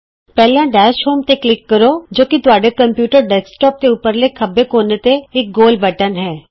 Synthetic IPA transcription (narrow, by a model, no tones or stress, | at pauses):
pɛːlãɖɛːʃɦoːmt̪eklɪkːəɾoːd͡ʒoːkit̪ʊaːɖekəmpjuːʈəɾɖɛːsʈɔːp̚t̪eupəɾlekʰəbekoːnet̪eɪk̚ɡoːlbəʈənɦɛː